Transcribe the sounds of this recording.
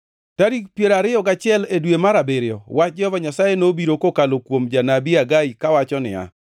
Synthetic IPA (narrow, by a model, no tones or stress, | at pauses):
taɾik̚pjeɾaɾɪɔɡat͡ʃɪɛledwemaɾabeɾjɔwat͡ʃd͡ʒɛhɔvaɲasajenobiɾokokalokwomd͡ʒanabiaɡaikawat͡ʃɔnɪ̰a̰